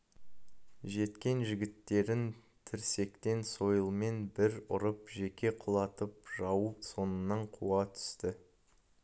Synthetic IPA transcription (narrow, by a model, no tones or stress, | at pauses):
ʒe̞t̪kʲe̞nʒɪɡʲɪt̪ːe̞ɾɪn | t̪ʰɪɾse̞kt̪e̞nso̞jəlˠme̞nbɪɾʊ̰ɾəpʒe̞kʲe̞qʰʊlˠɑt̪əp̚ʒɑwuso̞nənːɑɴqʰuɑt̪ʰʏ̥st̪ɪ